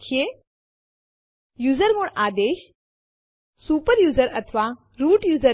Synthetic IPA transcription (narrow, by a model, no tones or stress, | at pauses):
kʰje | juːzəɾmoɳaːd̪eːɕ | suːpəɾjuːzəɾɐt̪ʰʋa | ɾuːʈjuːzə